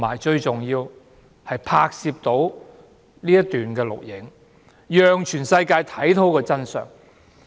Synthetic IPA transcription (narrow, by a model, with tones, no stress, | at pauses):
maː˨˩jt͡ʃɵ˧ɥt͡sʊ˨ŋjiː˧w | hɐ˨jpʰaː˧k̚siː˧p̚t̪o˨˥w | niː˥jɐ˥t̪yː˨˩nkɛː˧lʊ̰˨k̚jɪ˨˥ŋ | jœː˨ŋt͡ʃʰyː˨˩nsɐ˧jkaː˧jt̪ʰɐ˨˥jt̪ʰo˨˥wkɔː˧t͡sɐ˥nsœ̰ː˨ŋ